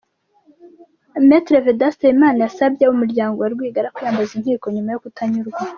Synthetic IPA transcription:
metɾevedastajimaːnajasabjeumuɾɟaːŋɡo̞waɾɡwiːɡaɾakujaːmbazinhiːko̞ɲumajokutaɲuɾɡwa

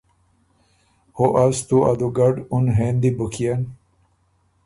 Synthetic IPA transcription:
hoʔɐst̪ua̰d̪uɡɐɖunɦend̪ibukʰijan

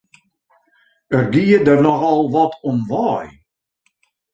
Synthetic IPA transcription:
ərɡiədərnɔxɔlˠʋɔtʰɔnʋaːj

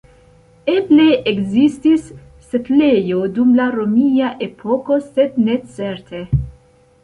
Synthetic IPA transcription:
eble̞ʔeɡzistisː | etlejodumlaɾomiaʔepʰoko̞sed̪net͡seɾt̪ʰe

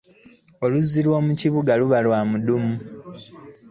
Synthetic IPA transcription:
o̞luzilwoːmuciβuɡaluβalwaːmudumu

